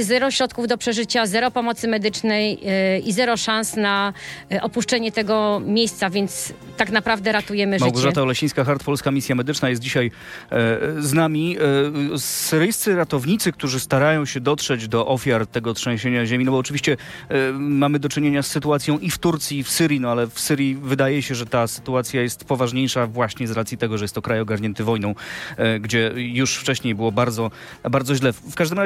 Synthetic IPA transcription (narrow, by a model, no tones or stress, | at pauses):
zɛɾɔɕɾɔt̪̚kuvd̪ɔpʂɛʐɘt͡ɕazɛɾɔpɔmɔt̪sɘmɛd̪ɘt͡ʂnɛjizɛɾɔʂansnaʔɔpuʂt͡ʂɛɲɛt̪ɛɡɔmʲjejst̪savʲjɛnt̪s | t̪aknapɾavd̪ɛɾat̪ujɛmɘʐmwɡɔʐat̪aɔlɛɕĩj̃skaxaɾt̪pɔlskamʲisʲjamɛd̪ɘt͡ʂnajɛst̪̚d͡ʑiɕaj | znamʲi | sɘɾɘjst̪sɘɾat̪ɔvɲit̪sɘk̚t̪uʐɘst̪aɾajɔ̃w̃ɕɛd̪ɔt̪ʂɛd͡ʑd̪ɔʔɔfʲjaɾt̪ɛɡɔtʂɛ̃w̃ɕeɲaʑeminɔbɔːt͡ʂɘvʲiɕt͡ɕɛ | mamɘd̪ɔt͡ʂɘɲeɲasːɘt̪uat̪sʲjɔ̃w̃ʔift̪uɾt̪sʲjiːfsɘɾʲjinɔalɛfsɘɾjivɘd̪ajɛɕɛʐɛt̪asɘ̥t̪uat̪sʲjajɛst̪pɔvaʐɲejʂavwaɕɲɛzɾat̪sʲjit̪ɛɡɔʐɛjɛst̪ːɔkɾajɔɡaɾɲɛnt̪ɘvɔjnɔ̃w̃ɡd͡ʑɛjuʂft͡ʂɛɕɲejbɘwɔbaɾd̪zɔ | baɾd̪zɔʑlɛfkaʐd̪ɘmɾa